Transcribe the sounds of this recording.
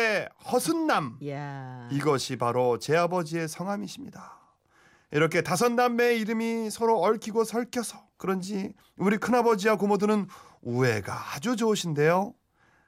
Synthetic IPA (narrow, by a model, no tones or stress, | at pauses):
ehʌsʰunːam | iɡʌɕʰipaɾot͡ɕe̞abʌd͡ʑie̞sʰʌŋɦamiɕʰimɲida | iɾʌkʰe̞tasʰʌnːamːe̞iɾɯmisʰʌɾoʌɭkʰiɡosʰʌɭkʰjʌsʰʌ̥kɯɾʌnd͡ʑi | uɾikʰɯnabʌd͡ʑiwakomodɯnɯnue̞ɡa̰ad͡ʑud͡ʑouɕʰinde̞jo